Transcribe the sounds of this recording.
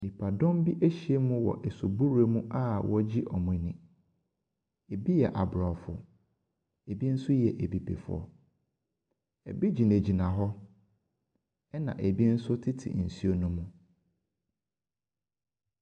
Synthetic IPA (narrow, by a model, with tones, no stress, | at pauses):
ni˨pʰa˨dɔ̃˦mbi˦ʔe˦ɕi˨e˦mʊ̃˦wɔ̰˨ʔɛ˨su˨bu˦ɾe˦mũ˦ʔa˦wʔɔ˦d͡ʑi˦ʔɔ˨mʊ̃˨˦nɪ̃˨ | e˨bi˦jɛ˨ʔa˨bɾa˨fʊ̰˨ | e˨bi˦n̩˦sʊ˦jɛ˨ʔe˨bi˨pʰḛ˨fʊ̰˦ɔ̰˨ | ɛ̰˨bi˦d͡ʑi˨nẽ˨d͡ʑi˨nã˨ɦɔ˦ | ɛ˦nã̰˨ʔe˨bi˦n̩˦sʊ˦tʰɪ˦tʰɪ̰˨n̩˨si˦o˨nũ˦mũ˦